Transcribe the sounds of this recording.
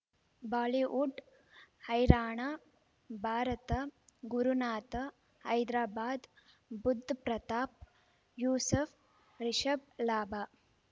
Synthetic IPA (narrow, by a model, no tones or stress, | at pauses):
baːliʋʔuɖ | hɐjɾaːɳɐ | bʱaːɾɐt̪ɐɡuɾunaːt̪ɐ | hɐjd̪ɾaːbaːd̪ | bud̪ʱːpɾɐt̪aːp̚ | juːsɐf | ɾiʃɐb̚laːbaː